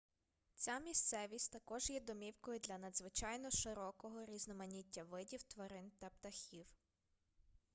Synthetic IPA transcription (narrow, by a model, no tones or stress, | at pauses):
t͡sʲamʲist̪sɛʋʲisʲtʲt̪ɐkɔʒjɛd̪ɔmʲiwkɔjʊd̪lʲɐnɐd̪zʋɪt͡ʃɑjnɔʃɪɾɔkɔɦɔɾʲiznɔmɐnʲitʲːɐʋɪdʲiwt̪ʋɐɾɪnt̪ɐpt̪ɐxʲiw